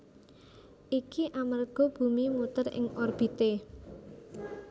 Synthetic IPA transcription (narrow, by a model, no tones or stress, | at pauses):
ʔikiʔamərɡ̥ɔ̤b̥ṳmimut̪ərɪ̰ŋɔrb̥i̤t̪e